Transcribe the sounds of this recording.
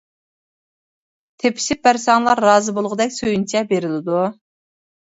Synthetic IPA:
t̪ʰepʰɪ̥ʃɪp̚bæɾsɑŋlˠɑɾːɑːzɨbolˠʁʊd̪ɛkʲsøjynt͡ʃʰɛbeɾɪlɪd̪u

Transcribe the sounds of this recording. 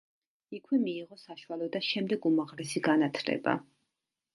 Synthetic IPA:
ikʰwɛmiːʁɔsaʃwalɔd̪aʃɛmd̪ɛɡumaʁlɛsiɡanat̪ʰlɛ̰ba̰

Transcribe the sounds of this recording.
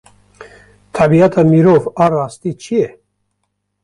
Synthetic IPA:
t̪ʰɑbiat̪ʰamiɾɔvaɾast̪it͡ʃʰiɛ

